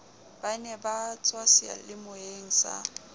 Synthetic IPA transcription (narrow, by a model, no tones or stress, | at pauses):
b̥anɛbat͡sʼwasɪa̰lɪmʊeŋ̩sa̰